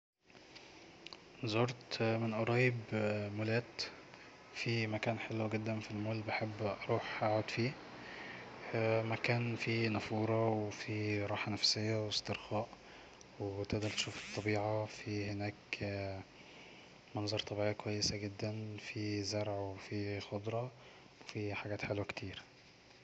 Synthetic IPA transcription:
zoɾt̪menʔɑɾˤɑːjebmolæːt̪ | fimækæːnħelːɡed̪ːænfilmoːlbaħebːʔɑɾˤuːħʔaʕod̪fiː | mækæːnfinæfuːɾˤɑwefiɾˤɑːħɑnæfsejːæwest̪eɾxɑːʔ | wet̪eʔd̪ɑɾˤt̪e̥ʃuːfe̥t̪ˤːɑbiːʕɑfihenæːk | mɑnzˤɑɾˤt̪ˤːɑbiʕijːækwæjːesæɡed̪ːænfizɑɾˤʕwefixod̪ˤɾˤɑ | wefiħaɡæːt̪ħelwækt̪ʰiːɾ

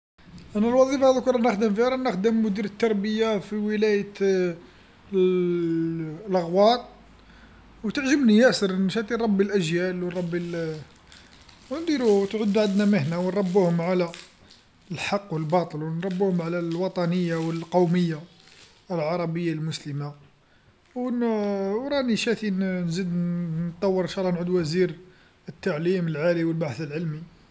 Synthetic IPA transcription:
ʔænælwɑðˤifhæðkuɾˤɑnəxd̪əmfiɾˤɑnəxd̪əmːʊd̪iɾət̪ːɑɾˤbəjafiwəlæjə | lɣwɑt̪̚ˤ | wt̪əʕʒəmbnijæsəɾˤnʃæt̪ˤiˤɑbːilʔæʒjælwnˤɑbːil | wnd̪iɾuwt̪ʕʊd̪ːʕad̪næməhnæwənɾˤɑbːuhʊmʕalæ | əlħɑqːwəlbɑt̪ˤəlwənɾˤɑbːuhʊmʕalælwɑt̪ˤɑnəjːawəlqɑwməjːa | əlʕɑɾˤɑbəjːalmʊsləma | wnwɾˤɑniʃæt̪innzid̪nt̪ˤːɑwːəɾʃɑɾˤːɑnʕud̪wæziɾ | ət̪ːaʕliməlʕaliwəlbaħəθəlʕəlmi

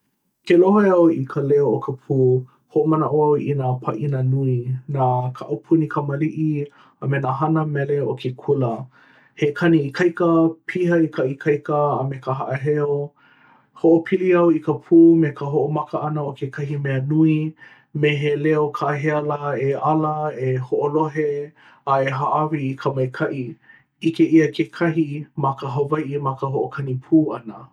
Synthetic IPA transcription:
keloɦoeɐwikʰəleookʰəpʰuː | hoʔomɐnəʔoɐwinapʰɐʔinənuinaːkʰaʔɐpʰunikʰəməliʔi | əmenaɦɐnəmeleokʰekʰulə | hekʰɐniikʰɐjkəpʰiɦəikʰɐʔikʰɐjkəəmekəɦɐʔəɦeo | hoʔopʰiliɐwikəpʰuːmekəɦoʔomɐkəʔɐnəokʰekʰɐɦimeənui | meɦeleokʰaɦeɐlaeɐləehoʔoloɦe | aeɦaʔɐvikʰəmɐjkʰɐʔi | ikeʔiəkʰekʰɐɦimakəɦɐvɐjʔimakəɦoʔokʰɐnipʰuːɐnə

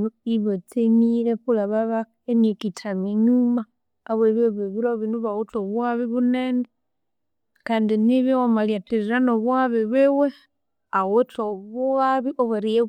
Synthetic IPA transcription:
iβot͡simiɾepulaβaβakenekitʰamiɲumaː | βweβoβeβuɾaoβinuβawotoβuaβiβuneːne | kaːndiniβjiwomalijatiɾiɾanoβwaβiβewe | awotoβuaβiʔoβaɾie

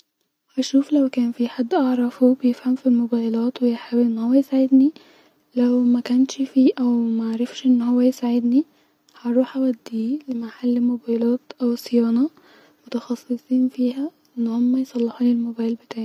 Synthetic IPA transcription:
hæʃuːflæwkæːnfiħad̪ːʔɑʕɾˤɑfubɪjefhæmfilmobæːjlɑːt̪wejħawʔenːhowːæjɪsaʕɪd̪ni | læwmækænʃfiːʔæwmæʔaɾˤɑfʃʔenːhowːæjɪsaʕɪd̪ni | hɑʔɑɾˤuːħʔæwæd̪ːiːlemaħalːmobæjlæːt̪ʔæwsejɑːnɑ | mʊt̪ɑxɑsˤːɨsˤiːnfiːɦæʔɪnːhomːæjsˤɑlːɑħuːnilmobæːjlbɪt̪aːʕi

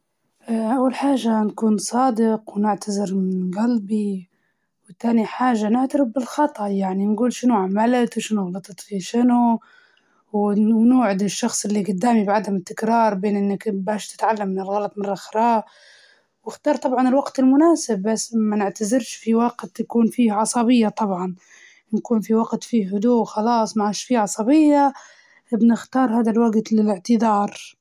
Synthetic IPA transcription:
ʔʔawːalħaːʒːankuːnsˤɑːd̪ɪqwnɪʕt̪azɪɾnɣalbi | wɪt̪ːaːniħaːʒːanɪʕt̪aɾɪbbɪlxɑt̪ˤɑʔjaʕninɡuːlʃɪnuʕamalt̪wʃɪnuɣbɑt̪ˤɨt̪ˤfiʃɪnu | wnuːʕɪd̪ɪʃːɑxsˤʔɪlːiɡʊd̪ːaːmibʕad̪amɪt̪ːɪkɾɑːɾˤbeːnʔɪnːɪkbaːʃt̪ɪ̥t̪ʕalːamːɪnɪlɣɑlɑt̪ˤmɪnrˤːɑxɾˤɑː | wɪxt̪ɑːɾˤt̪ˤɑbʕɑnɪlwaqt̪ɪlmʊnaːsɪbːasːmanɪʕt̪azɪɾʃfiwaqt̪jakuːnfiːhʕɑsˤɑbɪjːat̪ˤɑbʕɑn | nkuːnfiwaɡt̪fiɦʊd̪uːxɑlɑːsˤmaʕaːʃfiʕɑsˤɑbɪjːa | bnɪxt̪ɑːɾˤɦaːd̪alwaɡt̪lɪlɪʕt̪ɪd̪ɑːɾˤ

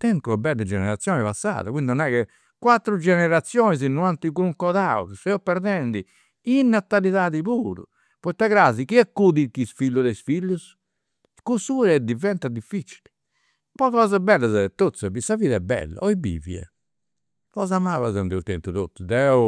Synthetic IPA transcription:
t̪ɛnt̪uɛbɛlːɛd͡ʒɛnɛɾat̪sːjɔːnɛpasːa̰ːðakwind̪inɔnɛkɛ | kwat̪ːɾud͡ʒɛnɛɾat̪sːjɔːniz̬inːuant̪ikɾuŋkɔðaṵksɛɔpːɛɾd̪ɛnd̪i | inːat̪ːaliðaːðipuːɾṵ | pɔit̪ːaɣɾaːzikiɛkːudik̪ːisfilːuðɛsfilːus | kusuːɾɛɛd̪ivɛnt̪ad̪ifːit͡ʃi̥li | pɔkɔːzabɛlːazɛɛt̪ːot̪sɛbisːaviːðɛbːɛ̰lːa̰ɔibḭːvḭɛ̰ | kɔːzamaβazɛnd̪iuɾt̪ɛnt̪ut̪ot̪ːud̪ɛu

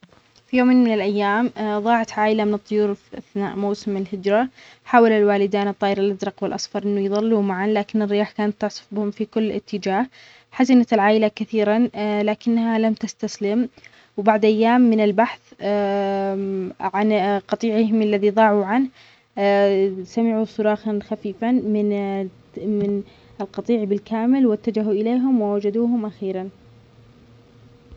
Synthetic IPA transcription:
fijoːmeːnmɪnɪlʔajːaːmðˤɑːʕat̪ʕaːʔɪlamɪnɨt̪ˤːʊjuːɾfiʔaθna̰ːʔmawsɪmɪlhɪd͡ʒɾɑ | ħaːwalalwaːlɪd̪aːnɨt̪ˤːɑːʔɪɾɪlʔad̪ɾˤɑqwɪlʔɑsˤfɑɾˤʔɪnːujðˤɑlːuːmaʕanlaːkɪnɪrːɪjaːħkaːnat̪ːʊʕsˤʊ̥fbɪhʊmfikʊlːʔɪ̰t̪ʰːɪd͡ʒaːh | ħazɪnat̪ɪlʕaːʔɪlakaθiːɾanlaːkɪnːhalamt̪ast̪aslɪm | wbaʕd̪ʔajːaːmːɪnɪlbaħθ | ʕanqɑt̪ˤiːʕɪhɪmalːaðiðˤɑːʕuʕanh | samɪʕusʊɾˤɑːxɑnxafiːfamɪn | mɪn | ɪlqɑt̪ˤiːʕbɪlkaːmɪlwɪt̪ːad͡ʒaɦuʔɪleːɦʊmwɪwad͡ʒad̪uːɦʊmʔaxiːɾan

